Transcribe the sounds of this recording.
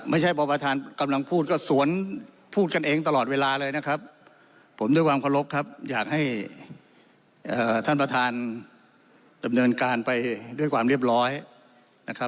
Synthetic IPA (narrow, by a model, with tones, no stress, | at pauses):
ma˥˩jt͡ɕʰa˥˩jbɔː˧pa˧t̪ʰaː˧nka˧mla˧ŋpʰuː˥˩t̪̚kɔː˥˩su˩˦ən | pʰuː˥˩t̪̚ka˧nʔeː˧ŋt̪a˧lɔː˨˩t̪̚weː˧laː˧lɤː˧jna˦˥kʰa˦˥p̚ʰː | o˩˦md̪u˥˩jkwaː˧mkʰa˧lo˦˥p̚kʰa˦˥p̚jaː˨˩k̚ha˥˩j | ʔɤː˨˩t̪ʰa˥˩npɾa˧t̪ʰaː˧n | da˧mnɤː˧nkaː˧npa˧jdu˥˩əjkʰwaː˧mɾi˥˩əp̚ɾɔː˦˥j | na˦˥kʰa˦˥p̚